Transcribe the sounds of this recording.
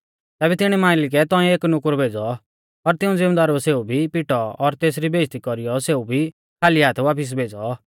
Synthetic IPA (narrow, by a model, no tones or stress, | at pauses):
t̪ɛːbɛt̪ɪɽ̃ɛmãːɪlɪk̬ɛt̪ɔ̃ɛ̃eːknʊkɾbʱeːd͡zɔ | pɐɾt̪ɪũd͡zɪmd̪aːɾoseːubʱipɪʈɔɔɾt̪eːsɾibeːst̪ikɔɾijɔseːubʱi | kʰaːliaːt̪ʰʋaːpʰɪs̬bʱeːd͡zɔ